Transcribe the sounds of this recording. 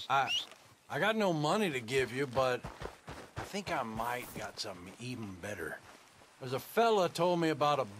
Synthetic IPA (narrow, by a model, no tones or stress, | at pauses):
aɪ | ʔaɪɡɑtⁿnoʊmʌniɾɨɡɪvjɨbʌɾ | aɪθɪ̃ŋkaɪmaɪt̚ɡ̥ɑtsʌ̃mθɪ̃ŋivn̩bɛɾə̰˞ | wʌzəfɛlˠoʊtʰoʊlˠd̚miɨbaʊɾə